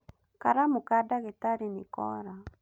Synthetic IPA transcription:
kaɾamukadaɣetaɾinɪkɔ̰ɾa

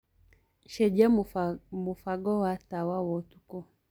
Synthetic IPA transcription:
ʃɛd͡ʒamufaɡɔwatawawɔtu̥kɔ

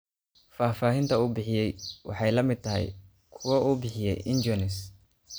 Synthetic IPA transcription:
faːfaːɦɪnt̪ʰɐuːbɪħɪjɛjwɑ̰ħɑjlɐmɪd̪̚t̪ʰɐɦɛ̰j | kʰʊwɐʔuːbɪħɪjɛ̰jʔɪɲd͡ʒɔnɪs

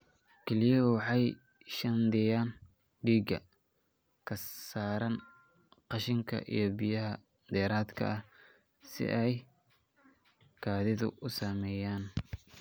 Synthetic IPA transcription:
kʰɛlɪjɐwɑħɑj | ʃɐnd̪ɪjaːn | ɖiːɡɐ̰ | kʰɐsaːɾɐn | qɑʃɪŋkʰɐ̰ʔḭjɞbɪjɐɦɐ | d̪ɛːɾaːd̪kʰɐ̰ʔɐ | sɪ̰ʔɛj | kʰaːðɪðʊ̰ʔʊsaːmɛːjaːn

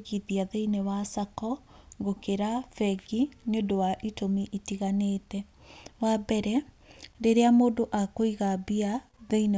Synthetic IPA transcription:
ɣiðiaðeinewasakɔɡokeɾafɛɡineondowaʔitomiʔitiɣaneːtɛ | wabɛɾɛ | ɾeɾeamoːdoʔakoiɣabia | ðeine

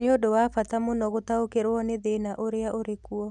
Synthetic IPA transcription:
neodowafatamonɔɣotaokeɾwɔneðenaʔoɾeaʔoɾekuɔ

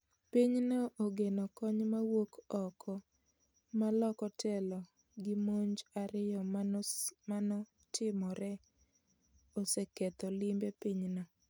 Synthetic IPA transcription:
piɲnɔʔoɡenɔkɔɲmawokɔkʰɔ | malɔkɔtʰɛlɔ | ɡɪmoɲd͡ʒaɾɪjɔ | manɔ | tʰɪmɔɾɛ | osɛkɛt̪ɔlɪmbepiɲnɔ

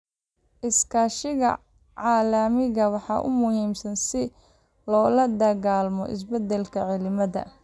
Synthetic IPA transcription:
ʔɪskʰaːʃɪɣɐ̰ | ʕɑːlɐmɪɣɐwɑħɑːʔʊ̰mʊhiːmsɐnsɪ | lɔːlɐd̪ɐɣaːlmɔ̰ʔɪ̰s̬bɛd̪ɛlkʰɐʕɪlɪmɐðɐ̰

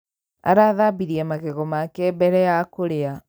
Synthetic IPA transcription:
a̰ɾaðabiɾiɛmaɣeɣɔmakɛbɛɾɛjakoɾea

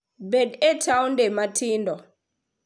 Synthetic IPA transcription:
bɛdɛtʰaundɛmatʰiːndɔ

